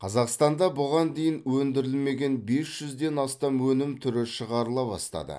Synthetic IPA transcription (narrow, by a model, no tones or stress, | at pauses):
qʰɑzɑqst̪ɑnd̪ɑbʊʁɑnd̪e̞jɪnwɵnd̪ɪɾɪlme̞ɡʲe̞nbe̞sʒ̥ʏzd̪e̞nɑst̪ɑmwɵnɪmt̪ʰʏɾɪʃəʁɑɾəlˠɑbɑ̰st̪ɑ̰d̪ə̰